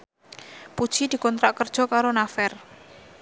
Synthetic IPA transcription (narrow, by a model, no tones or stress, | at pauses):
pud̥ʒ̥id̪̥i̤kɔnt̪ɾaʔkərd̥ʒ̥ɔ̤kaɾonafɛr